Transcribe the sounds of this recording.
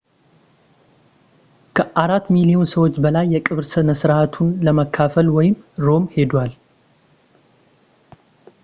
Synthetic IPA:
kʰəʔaɾat̪ːmilijo̞nsəwo̞t͡ʃːbəlajːɛkʼɨβɾsənəsɾat̪ʰunləməkʰːafəlwɔjɪmɾo̞mhe̞d̪wal

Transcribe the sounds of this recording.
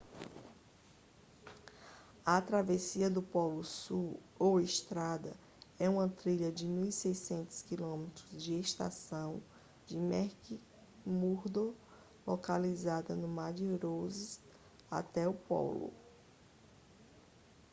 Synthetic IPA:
ɐt̪ɾavesiɐd̪ʊpɔlʊsuowɪst̪ɾad̪ɐ | ɛũmɐt̪ɾiʎɐd͡ʒɪmiwsejsẽnt̪ʊ̥skilõmet̪ɾʊzd͡ʒɪeʃt̪a̰sɐ̃w̃ | d͡ʒɪmɛɾki | muɾd̪o | lokalizad̪ɐnʊmad͡ʒɪɾozis | a̰t̪ɛʊpɔ̰lʊ̰

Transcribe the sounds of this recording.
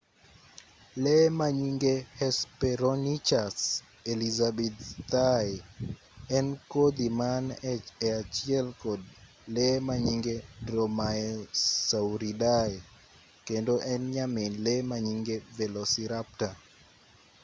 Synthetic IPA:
lemaɲiŋɡehɛspɛɾonit͡ʃas | elizabɛt̪t̪ae | ɛnkod̪imanɛɛat͡ʃjɛlkod̚ | lemaɲiŋɡedromaesawɾidae | kendoʔɛnɲamenlemaɲiŋɡevelosiɾap̚ta

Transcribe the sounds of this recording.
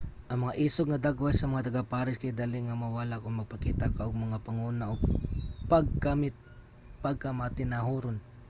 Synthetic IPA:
ʔɐŋmɐŋaʔiːsoɡŋɐd̪aɡoʔɐjsɐmɐŋat̪ɐɡapaɾɪskad̪alɪŋɐmɐwaːlakʊŋmɐɡ̚pɐkiːt̪akaʔoɡ̚mɐŋapɐŋuːnaʔoɡ̚paɡ̚kamɪt̪̚ | paɡ̚kamat̪ɪnaɦuɾon

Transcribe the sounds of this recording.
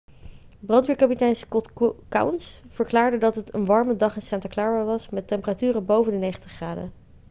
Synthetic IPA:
brɑntʋiːɹkɑpitɛjnskɔtka̰wnsv̥əɹklaːɹdədɑtɦətə̰nʋɑɹmədɑχɪnsɛntaklaːɹaʋɑsmɛtɛmpəratyːrəbowvəndənejχəntəχraːdə̰

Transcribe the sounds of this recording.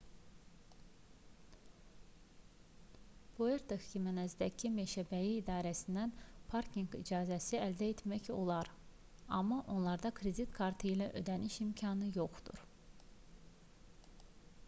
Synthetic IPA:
boeɾt̪ʰekcimænæzd̪æcʰimeʃæbæjiːd̪ɑːɾæsind̪ænpʰɑɾkʰiŋɡḭd͡ʒɑːzæsiæld̪æet̪ʰmæço̞̰lˠɑɾ | ɑ̰mːɑʔo̞nlˠɑɾd̪ɑkʰɾed̪it̪kʰɑɾt̪ʰɯilæʔø̞̰d̪æniʃimcʰɑnɯjo̞χd̪̥ṵɾ

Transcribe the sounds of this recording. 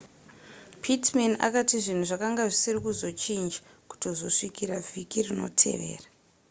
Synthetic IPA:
pʰitmana̰katiʐin̤uʐakaŋɡaʐisirikuzo̞t͡ʃind͡ʒa | ku̥to̞zo̞ʂikiɾavʱikirino̞̰tʰe̞̰ʋe̞̰ːra

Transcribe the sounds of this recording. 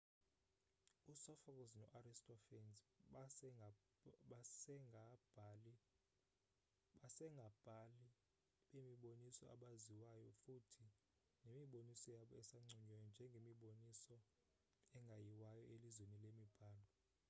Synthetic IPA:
usɔfɔk̬ʼɔznɔ̰ʔaɾistʼɔfɛnz | sɛḁ | asɛŋɡʱab̥ʱali | ɓemiɓonisɔa̰ɓaziwajɔfutʰi | nemiɓonisɔjaɓɔɛsaŋ͡ǀʱuɲɔjɔnd͡ʒʱɛŋɡʱemiɓonisɔ | ɛŋɡʱajiwajɔʔelizwenilemib̥ʱaːlɔ

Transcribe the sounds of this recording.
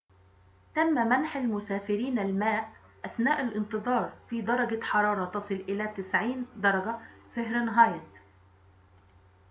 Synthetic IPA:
t̪amːamanħalmʊsaːfɪɾiːnalmaːʔ | ʔaθnaːʔalʔɪnt̪ɨðˤɑːɾˤfiːd̪ɑɾˤɑɡaħɑɾˤɑːɾˤɑt̪ɑsˤɨlʔɪlaːt̪ɪsʕiːnd̪ɑɾˤɑɡafahɾnɦɑːjt̪

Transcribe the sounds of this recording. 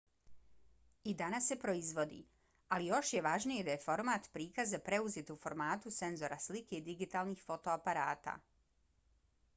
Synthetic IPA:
id̪anasːe̞pɾo̞izʋo̞d̪ḭ | alijo̞ʃje̞ʋaʒnijed̪aje̞fo̞ɾmaːt̪pɾiːkazːapɾe̞uzet̪ufo̞ɾmaːt̪use̞nzo̞ɾaslike̞id̪iɡit̪aːlˠnixfo̞t̪o̞apaɾaːt̪a̰

